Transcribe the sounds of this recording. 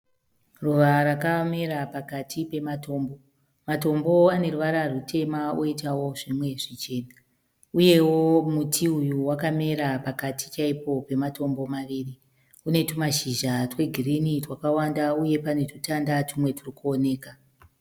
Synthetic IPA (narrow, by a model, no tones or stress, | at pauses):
ruʋaɾakame̞ɾapakatʰipe̞mato̞ːmbo̞ | mato̞mbo̞ane̞ruʋaɾarutʰe̞maoitawo̞ʐimwe̞ʐit͡ʃe̞ːna | uje̞wo̞mutʰiujuwakame̞ɾapakatʰi̥t͡ʃaipo̞pe̞mato̞mbo̞maʋiːri | une̞tumaʃiʒatwe̞ɡʱirinitwakawandauje̞pane̞tutandatumwe̞tʰurikuone̞ːka